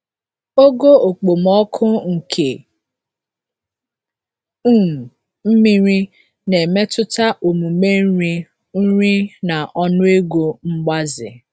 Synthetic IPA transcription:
o˦ɡo˦o˨k͡po˨mɔ˦kʰʊ˦ŋ̩˨kʰe˨ | u˦˨ | m̩˦mi˦ɾi˦ | ne˨me˦tʊ˦ta˦ʔo˨mu˨me˦i˦ | n̩˦ɾi˦na˨ʔɔ˦nʊ˦e˦ɡo˨ŋ͡m̩˦ɡ͡ba˦zɪ̰˨

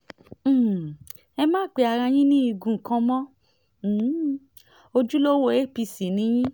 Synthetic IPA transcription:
ɛ˧mãː˦˨k͡pe˧a˧ɾa˧j̃ĩ˦nĩ˦i˧ɡũ˨kã˧mɔ̃˦˨˦ | o˧d͡ʒu˦lo˦wo˦˧e˦pi˧˨si˨nĩ˨˦j̃ĩ˦

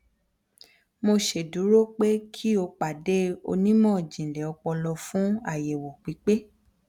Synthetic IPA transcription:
mo˧ʃe˨du˨˦ɾo˦k͡pe˦kʰi˦o˧k͡pa˨de˦o̰˧nĩ˦mɔ̃˦˨d͡ʒĩ˨lɛ˨ɔ˧k͡pɔ˧lɔ˧fũ˦a˦˨je˨wo˨k͡pi˨˦k͡pe˦

